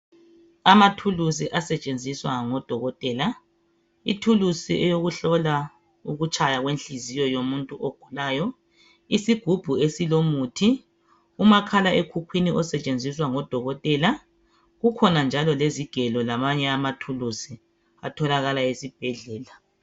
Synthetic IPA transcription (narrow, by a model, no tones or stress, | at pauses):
amatʰulus̬iʔasɛt͡ʃʼend͡zʱiswaŋɔd̥ʱɔɣɔtʼɛːla | ḭtʰulusiʔɛjoɣuɬɔla | uɣut͡ʃʼajaɣwenɬizijɔjomuntʼuʔoɡ̥ʱulaːjɔ | isiɡ̥ʱub̥ʱuesilomutʰi | umakʰalaʔekʰukʰwiniʔɔsɛt͡ʃʼend͡zʱiswaŋɔd̥ʱɔɣɔtʼɛla | ɣukʰɔnand͡ʒʱalɔleziɡ̥ʱɛlɔlamaɲɛamatʰulusi | a̰tʰɔlaɣalaesib̥ʱɛɮɛːla